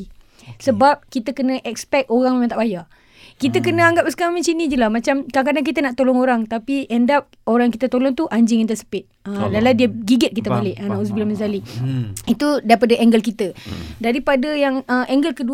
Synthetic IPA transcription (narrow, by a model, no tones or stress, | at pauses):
səbap̚kit̪əkənə̃ʔɛkspɛk̚t̪oɾaŋmemãt̪aʔbaja | kit̪əkənə̃aŋɡap̚sə̥kaamãnt͡ʃinĩd͡ʒəlamãt͡ʃamkak̬adaŋk̬it̪ənaʔt̪olɔŋoɾaŋt̪apiʔɛndap̚ | oɾajŋkit̪ət̪olɔŋt̪uʔaɲd͡ʒɪŋint̪əsə̥pɪt̪̚ədaladiəɡiɡət̪̚kit̪əmalɪʔanaʔus̬bilaməzaliit̪udaɾipadəʔɛŋɡəlkit̪ədaɾipadəjaŋəɛŋɡəlkədu